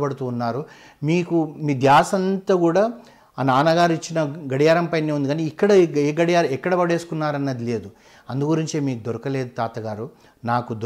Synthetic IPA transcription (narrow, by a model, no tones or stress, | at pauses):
bɐɽut̪uːnːaːɾu | miːkumiːd̪jaːsɐnt̪ɐːkuːɽaː | naːnɐɡaːɾit͡ʃːinɐɡɐɽijaːɾɐmpɐjneːund̪iɡaːniːkːɐɽɐeɡɐɽijaːɾɛkːɐɽɐbɐɽe̞ːsu̥kunːaːɾɐnːɐd̪ile̞ːd̪u | ɐnd̪uɡuɾiɲt͡ʃeːmiːkud̪oɾɐkɐle̞ːd̪ut̪aːt̪ɐɡaːɾu | naːkud̪